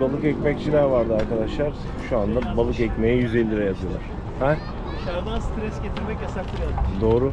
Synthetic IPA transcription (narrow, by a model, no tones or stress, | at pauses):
balˠɯkɛcʲmɛc̚t͡ʃʰilaɾvaɾd̪ɯaɾkad̪aʃlˠaɾ̥ | ʃuand̪abalˠɯkɛcmejɛjyzɛlʲːiɾɛjazɯlˠa̰ɾ̥ | hɛ | ʃaɾd̪anst̪ɾɛsɟet̪ʰiɾmɛcjasaklɯalˠd̪o̞ːɾʊ